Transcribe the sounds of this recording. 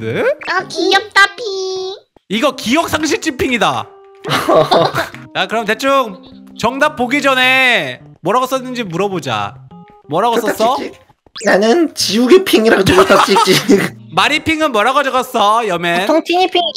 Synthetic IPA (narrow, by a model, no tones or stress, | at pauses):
dɯkijʌp̚t͈apʰi | iɡʌkijʌk̚s͈ʰaŋɕ̬ʰiɭt͡ɕ͈ʰipʰiŋida | t͡ɕakɯɾʌmte̞t͡ɕ͈oŋt͡ɕʌŋnap̚p͈oɡid͡ʑʌne̞mʌɾaɡʌs͈ʌnːɯnd͡ʑimuɾʌbod͡ʑa̰ | mʌɾaɡʌs͈ʌs͈ʰʌ | nanɯnt͡ɕiuɡepʰiŋiɾaɡot͡ɕoɡos͈ait͡ɕimaɾipʰiŋɯnmʌɾaɡʌd͡ʑʌɣas͈ʌjʌmenʰŋtʰiɲipʰiŋ